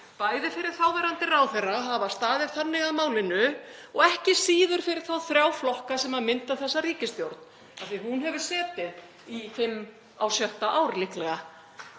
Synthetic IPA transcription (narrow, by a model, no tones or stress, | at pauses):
paːjðɪfɪɾɪɾ̥θawvɛɾant̪ɪraːwθɛrːaɦavast̪aːðɪɾ̥θanːɪɣaðmaːwlɪnʏɔɣɛhcɪsiːðʏɾ̥fɪɾɪɾ̥θawθɾjaːwflɔhkasɛmaðmɪnt̪aθɛsːaɾiːcɪst̪jowɾt̪̚n | aθɪhunɦɛvʏ̥sɛːt̪ɪð | iθɪmː | awsjœht̪aʔaːwɾlɪhklɛɣa